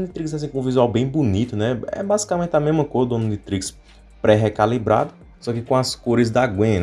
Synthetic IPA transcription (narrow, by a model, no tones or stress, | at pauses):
d̪ɪt̪ɾikzas̬ĩkõũvizuawbẽj̃bunit̪ʊnɛɛ̰bazi̥kamẽnt̪ɪamezmɐkozɐd̪õnũd̪ɪt̪ɾiks | pɾɛɦɛkalibɾa̰d̪ɐ | sɔkɪkõɐskoɾɪzd̪aɡwẽ